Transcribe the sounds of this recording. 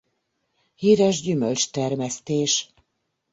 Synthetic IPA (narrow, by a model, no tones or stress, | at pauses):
hiːɾɛʒɟymølt͡ʃt̪ɛrmɛst̪eːʃ